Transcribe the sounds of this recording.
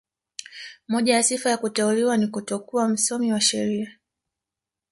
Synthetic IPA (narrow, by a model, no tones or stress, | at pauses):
mɔʄajasifajakutɛuliwanikutɔkuam̩sɔmiwaʃɛɾia